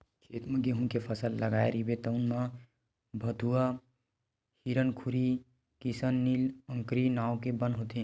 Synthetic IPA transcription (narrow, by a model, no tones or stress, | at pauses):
kʰeːt̪mẽɡeɦũnkepʰəsəlːəɡaeɾibet̪əʊnmã | bʱəd̪ʱua | hiɾənkʰuɾi | kisənːilə̃ŋkɾinaokebənɦot̪ĩ